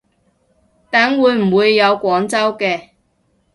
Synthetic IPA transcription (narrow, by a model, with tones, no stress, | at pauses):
t̪aː˨˥nwuː˨˧jm̩˨˩wuː˨˧jːɐ˨˧wkʷɔː˨˥ŋt͡sɐ˥wkɛː˧